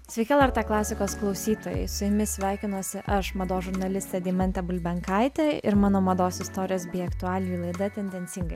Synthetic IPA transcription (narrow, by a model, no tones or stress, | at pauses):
sʲʋʲɛɪkʲɛlˠɐɾt̪ɑklˠɑːsʲɪkoːsklˠɒʊsʲiːt̪oːjɛ̰ɪsʊjɪmʲɪsʲʋʲæˑɪkʲɪnuɔsʲɪʔɐʃmɐd̪oːsʒʊɾnɐlʲɪsʲt̪ʲɛd̪ʲɪːmʲɛnʲt̪ʲɛbʊlʲbʲɛŋkɑɪt̪ʲeːɪ̰ɾmɑːnoːmɐd̪oːsɪst̪oːɾʲɪjoːsbʲeːjɐkt̪ʊɑːlʲɪjiːlˠɐɪd̪ɐt̪ʲɛnʲd̪ʲɛnʲsʲɪŋɡɐɪ